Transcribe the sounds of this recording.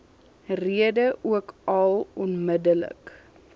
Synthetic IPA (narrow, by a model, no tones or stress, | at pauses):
riədəʔuəkɐlˠɔnmədələ̰k